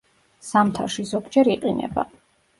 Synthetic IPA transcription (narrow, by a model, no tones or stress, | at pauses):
samt̪ʰaʃizɔbd͡ʒɛɾiqʼinɛ̰ba̰